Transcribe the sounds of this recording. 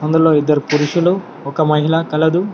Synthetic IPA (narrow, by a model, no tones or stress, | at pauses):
ɐnd̪ɐloːid̪ːɐɾupuɾuʃulu | ɔkɐmɐɦilɐkɐlɐd̪u